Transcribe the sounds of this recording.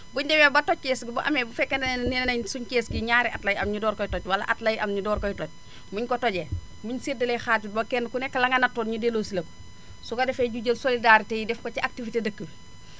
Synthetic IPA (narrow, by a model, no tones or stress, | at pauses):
buɲdɛmɛbɐtɔckeːsɡibuʔɐ̰mɛbufɛkːɐnninnɐɲsuɲkeːsɡiɲaːɾɛʔatlɐjɐmɲudɔːɾkɔjtɔcwɐlɐ̰ʔatlɐjʔɐmɲudɔːɾkɔjtɔc̚ | muɲkɔtɔɟɛ | muɲsidɐlexaːut̚bɐkɛnkunɛkːɐlɐŋɐnɐtːoːnɲudeloːsilɐku̥ | sukɐdɛfeɟuɟəlsolidaɾitejidɛfkot͡ʃiʔak̚tifitedɐkːəb